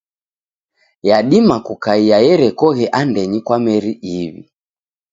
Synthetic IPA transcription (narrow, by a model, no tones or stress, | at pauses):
jaɗimakukaijajɛɾɛkɔɣɛʔandɛɲikwamɛɾiʔiβḭ